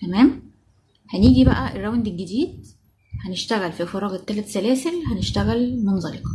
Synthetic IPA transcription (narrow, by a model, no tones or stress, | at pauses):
t̪æmæːm | hæniːɡibæʔæʔerːæwnd̪elɡːed̪iːd̪̚ | hæneʃt̪æɣælfifɑɾˤɑːɣet̪ːæːlæt̪sælæːselhæneʃt̪æɣælmenzˤɑlek